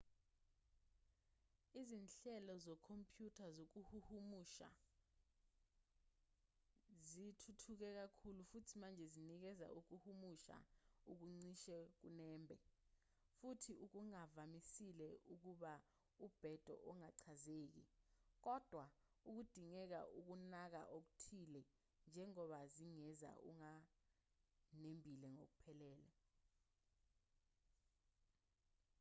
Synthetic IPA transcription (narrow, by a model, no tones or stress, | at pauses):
izinɬɛlɔzɔkʰompʰʼjutʰazok̬uhuhumuʃa̰ | zitʰutʰuk̬ɛk̬akʰulufutʰimand͡ʒʱɛzinik̬ɛza̰ʔuk̬uhumuʃa̰uk̬uŋ͡ǀiʃɛk̬unɛːmbʱɛ | futʰiuk̬uŋavamisilɛʔuk̬uɓa | ub̥ʱɛd̥ʱɔ̰ʔɔŋaǀʰazeːk̬ḭk̬ɔd̥ʱwa | uk̬ud̥ʱiŋɛk̬a̰ʔuk̬unak̬a̰ʔok̬u̥tʰilɛ | nd͡ʒʱɛŋɔɓaziŋɛza̰ʔṵŋa | nembʱilɛŋok̬upʰɛlɛːlɛ